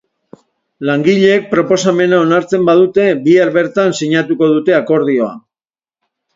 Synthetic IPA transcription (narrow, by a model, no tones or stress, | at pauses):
laŋɡiʎe̞ːk̚pɾo̞po̞same̞nao̞naɾt͡se̞mbað̞ut̪e̞biaɾβe̞ɾt̪ansiɲat̪uko̞ð̞ut̪e̞ako̞ɾð̞io̞a̰